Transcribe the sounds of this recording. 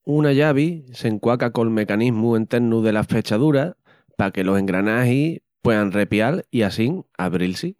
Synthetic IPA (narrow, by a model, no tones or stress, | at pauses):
unaʎaβ̞ise̞ŋkwakako̞lme̞kaniɦmue̞nt̪e̞ɾnuðe̞lafe̞t͡ʃaðuɾa | pake̞lo̞se̞ŋɡɾanaɦipwe̞ðanre̞pjaliasiŋa̰βɾilsi